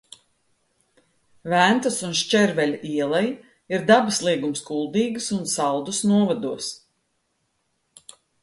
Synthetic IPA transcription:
vænt̪əsunʃt͡ʃʲɛɾvɛlʲiɛlˠaj | iɾd̪abaslˠiɛɡumskulˠd̪iːɡɨsunsɑlˠd̪usnuɔvad̪uɔs

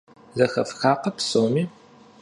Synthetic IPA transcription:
zɐxɐ̰fxaːqɐpsowmiː

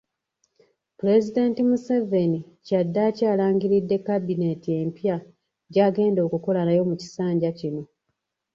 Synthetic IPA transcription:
pule̞zide̞ːntimuse̞veni | cadːacaːlaːŋɡiɾidːe̞kːabine̞tie̞ːmpja | ɟaːɡe̞ːndo̞ːkuko̞lanajo̞muci̥saːɲɟacino̞

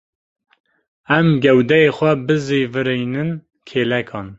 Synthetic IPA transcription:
ɛmɡɛwd̪ɛjexʷɛbɨzivɨɾejnɨn | kʰeːlɛkʰɑːn

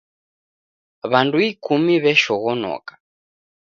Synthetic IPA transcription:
βanduikumiβɛʃɔɣɔnɔ̰ːkḁ

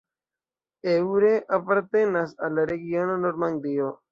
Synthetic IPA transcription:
ewɾeʔapaɾt̪enasalaɾeɡjononoɾmaŋd̪io

